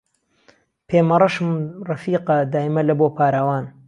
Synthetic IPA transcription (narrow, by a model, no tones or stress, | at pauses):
pʰeːmɐrˤɐʃɨmrɐfiːqɐd̪aːjmɐlɐboːpʰaːɾawaːn